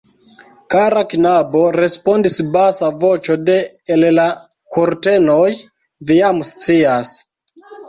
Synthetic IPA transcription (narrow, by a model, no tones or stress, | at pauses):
kaɾaknabo̞ɾe̞spo̞ndisbasavo̞t͡ʃo̞de̞ː | lla | koɾte̞no̞j | vijamst͡sias